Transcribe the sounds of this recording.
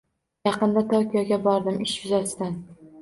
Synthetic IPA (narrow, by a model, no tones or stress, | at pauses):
jɑqɨnd̪at̪ʰokʲijɒɡʲabɒɾd̪ɪmɪʃvɪzasɪd̪an